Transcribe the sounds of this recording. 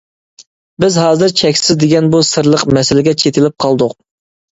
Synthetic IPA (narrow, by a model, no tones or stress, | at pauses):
bɪzɦɑːzɨɾt͡ʃʰɛkʲsɪzd̪eɡʲɛnbusɨɾlˠəqmɛsɪlɪɡʲɛt͡ʃʰet̪ʰɪlɪp̚qʰɑlˠd̪ʊq̚